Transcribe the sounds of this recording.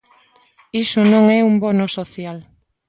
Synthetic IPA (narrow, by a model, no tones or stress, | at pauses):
isʊnõŋɛumbonosoθjal